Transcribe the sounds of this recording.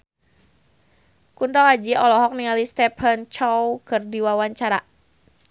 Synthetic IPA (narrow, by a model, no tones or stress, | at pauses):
kund̪ɔkad͡ʒiɔlɔɦɔk̚niŋalist̪ɛpʰant͡ʃɔwkɨrdiwawaɲt͡ʃaɾa